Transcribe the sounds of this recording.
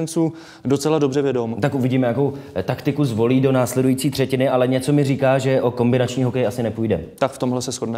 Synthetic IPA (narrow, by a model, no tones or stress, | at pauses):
nt͡suː | dot͡sɛlado̞brɛvjɛdomt̪akʔuvɪɟiːmɛjako̞wt̪akt̪ɪkuzvo̞liːdo̞naːslɛdujiːt͡siːt̪r̥ɛcɪnɪʔalɛɲɛt͡so̞mɪriːkaːʒɛʔoko̞mbɪnat͡ʃɲiːɦokɛjasɪnɛpujdɛt̪akft̪omɦlɛsɛsxodnɛ